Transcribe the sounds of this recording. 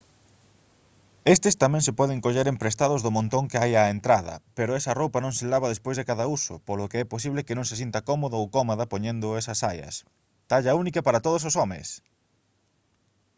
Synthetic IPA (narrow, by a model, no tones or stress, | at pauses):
est̪ɪst̪amɛ̃ŋsɪpɔð̞eŋkoʎeɾempɾest̪aðʊzðʊmõnt̪oŋkɪajaent̪ɾaðɐ̰peɾʊɛsɐrowpɐnõŋselaβɐðespojzðekaðɐusʊ̰polʊkeɛposiβlɪkɪnõŋses̬int̪ɐkɔmoðoowkɔmoðɐpoɲend̪ʊɛsɐsajɐ̰s | t̪aʎɐunikɐpaɾɐt̪oð̞ʊs̬osɔmḛ̃s